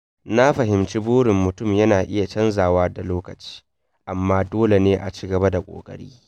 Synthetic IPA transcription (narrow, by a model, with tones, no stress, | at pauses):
na˦ɸɐ˨ɦɪ˨mt͡ʃi˦boː˦ɽɪ˨mːʊ˨tʊ˦˨mjɐ˦naː˨ʔɪ˦ja˨t͡ʃɐ˦nzaː˨waː˦da˨loː˦kɐ˨t͡ʃi̥ː˦ | ʔa˨mːaː˦doː˦le˨neː˦ʔa̰˨t͡ʃi˦ɡɐ˨ba˦da˨kʷʼo̰ː˨kʼɐ̰˦ɽḭː˦